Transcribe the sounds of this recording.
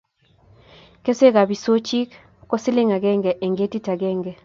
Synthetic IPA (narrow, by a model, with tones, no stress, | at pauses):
ke˦se˦ka˨bi˨so˦t͡ʃi˦k | kɔ˦sɪ˦lɪ˦ŋa˨ɡɛ˦ŋɡɛ˨ʔe˨ŋɡe˦ti˦ta˨ɡɛ˦ŋɡɛ˨